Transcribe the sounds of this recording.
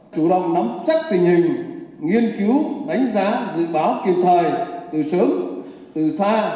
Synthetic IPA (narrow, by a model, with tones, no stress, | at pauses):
t͡ɕu˧˩ɗə̰˧˨wŋ͡mnɔ˨˦mt͡ɕa˦˥k̚t̪ï˨˩ŋ̟hï˨˩ŋ̟ŋi˧ənki˨˦wɗa˨˦jŋ̟zaː˨˦zɨ̰˧˨ɓaː˨˦wki˨˩ənt̪ʰəː˨˩jt̪ɨ˨˩sɨ˨˦əŋ | t̪ɨ˨˩saː˧